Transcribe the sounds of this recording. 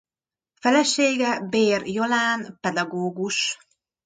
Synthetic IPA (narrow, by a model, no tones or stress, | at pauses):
fɛlɛʃeːɡɛbeːrjolaːnpɛd̪ɒɡoːɡuʃ